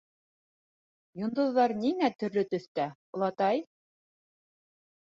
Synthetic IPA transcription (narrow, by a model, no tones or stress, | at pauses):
jŏnd̪ŏðːɑɾniŋæt̪ɵ̆ɾlɵt̪ɵ̆θt̪æŏlˠɑt̪ɑj